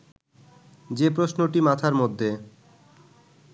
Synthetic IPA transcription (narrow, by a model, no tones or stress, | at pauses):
d͡ʑepɾosnoʈimat̪ʰaɾmod̪ʱːe